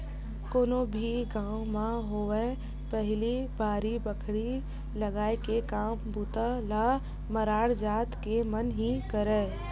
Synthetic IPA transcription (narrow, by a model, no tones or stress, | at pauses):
koːnobʱiɡãːũmãɦoːʋɛ | pəɦɪlibʱaːɾibəkʰɽi | ləɡaːekekaːmbut̪ala | məɾaːɽd͡ʒaːt̪kemənɦĩkəɾɛː